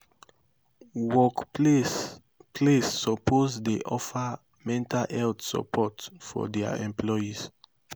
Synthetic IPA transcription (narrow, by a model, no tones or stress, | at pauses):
wɔk | pʰlesːəpʰozdeʔɔfə | mɛ̃ntʰalɛltsə̰pʰɔtfɔ̰dɛa̰ɛ̰̃mpʰlɔjiz